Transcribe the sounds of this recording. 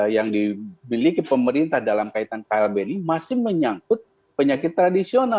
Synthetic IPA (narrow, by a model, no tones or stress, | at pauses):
jaŋdimilikipəməɾint̪ahdalamkait̪ankaɛlbenimasɪhməɲaŋkʊt̪̚ | pəɲakɪt̪ːɾadisiona